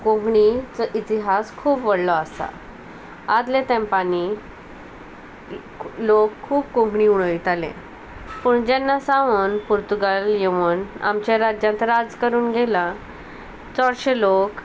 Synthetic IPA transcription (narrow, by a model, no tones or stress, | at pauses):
kõɡɳit͡səʔit̪iɦaskʰuːpʋəɽlɔasa̰ | ad̪let̪ɛ̃mpani | lokʰːuːbkõŋɡɳiːuɽ̃əʋit̪alḛ̃ | puːɳd͡ʑanːasãʋənpuɾt̪uɡaljeʋəna̰mt͡ɕaɾad͡ʑjãnt̪əɾad͡zkəɾuːnɡʱela | t͡sɔɽɾɕelok